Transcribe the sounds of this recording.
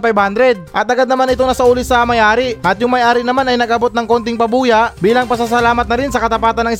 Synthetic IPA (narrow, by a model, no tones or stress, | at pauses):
pajband̪ɾɛd̪̚ʔɐt̪ʔɐɡad̪̚nɐmanɪt̪oŋnɐsɐʔuːlɪsɐmɐjʔaːɾɪʔɐt̪jʊŋmɐjʔaːɾɪnɐmanɐjnɐɡɐbo̞t̪̚nɐŋko̞nt̪ɪŋpɐbuːjɐʔbiːlɐŋpɐsas̬ɐlaːmɐt̪nɐɾɪnsɐkɐt̪ɐpaːt̪ɐnːɐŋʔɪ